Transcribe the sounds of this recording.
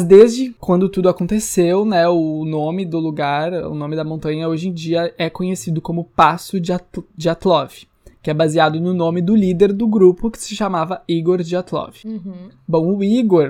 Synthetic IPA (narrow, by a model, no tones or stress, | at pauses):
zd̪ezd͡ʒɪkwɐ̃nd̪ʊt̪ud̪ʊakõnt̪esewnɛʊnõmɪd̪ʊluɡaɾʊ̰nõmɪd̪ɐmõnt̪ɐ̃ɲɐoʒẽd͡ʒiɐɛkõɲesid̪ʊkõmʊpasʊd͡ʒɪad͡ʒɪat̪lɔvɪ̥ | kɪɛbaziad̪ʊnʊnõmɪd̪ʊlid̪eɾd̪ʊɡɾupʊkɪ̥sɪʃamavɐiɡoɾd͡ʒɪat̪lɔ̰vɪbõw̃ʊiɡoɾ